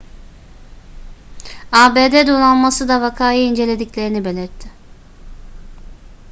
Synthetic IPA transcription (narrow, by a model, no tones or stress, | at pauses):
aːbeːd̪ɛd̪olˠanmasɯd̪avakʰaːjɯind͡ʒe̞lʲe̞d̪iclʲe̞ɾinibelʲiɾt̪ʰːɪ